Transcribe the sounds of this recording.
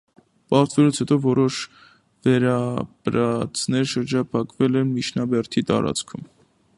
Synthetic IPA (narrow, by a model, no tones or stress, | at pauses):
pɑɾt̪vɛlut͡sʰhɛt̪ɔvɔɾɔʃ | vɛɾɑbɾɑt͡sʰnɛɾʃəɾd͡ʒɑpʰɑkvɛlɛnmit͡ʃʰnɑbɛɾt̪ʰit̪ɑ̰ɾɑ̰t͡skʰum